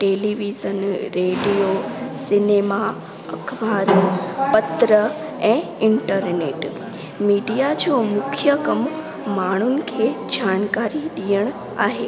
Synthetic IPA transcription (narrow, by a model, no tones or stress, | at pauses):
ʈeliʋizənɾeɖijosinema | əkʰʋaɾopət̪ɾəẽɪɳʈəɾneʈ | miɖijad͡ʒʰomʊkʰjəkəmː | aɽ̃unkʰed͡ʒankaɾid̪ijəɳ | a̰ɦe